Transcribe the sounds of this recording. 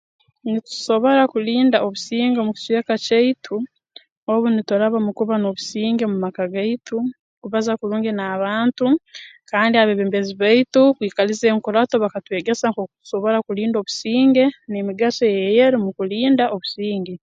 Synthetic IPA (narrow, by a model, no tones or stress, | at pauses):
nitu̥so̞βo̞ɾakuliːndaoβusiːŋɡemuki̥swekaceitʰu | oβunitoɾaβamukuβano̞βusiːŋɡe̞mumakaɡaitu | kuβazakuɾuːŋɡenaβaːntukaːndiaβeβeːmbe̞ziβaitukwiːkalizeːŋkuɾato̞βakatwe̞ːɡe̞saŋkokutu̥so̞βo̞ɾakuliːndo̞βusiːŋɡe̞nemiɡasojejeɾimukuliːndaʔo̞βusiːŋɡe